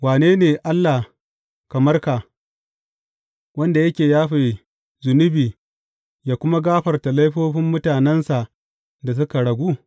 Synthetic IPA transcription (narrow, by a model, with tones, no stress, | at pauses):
waː˨neː˦neː˨ʔa˦lːa˨ | kɐ˨mɐ˦rka˨ | wɐ˦nda˨jɐ˦kʲeː˨jaː˦ɸa˨j | zʊ˨nʊ˦biː˨ | jaː˨kʷʊ˦ma˦ɡaː˦ɸɐ˨rta˨la˦jɸoː˦ɸɪ˦mːʊ˦taː˨nɛ˦nsa˨ʔ | da˨s̬ʊ˦ka˨ɽɐ˨ɡʷu˦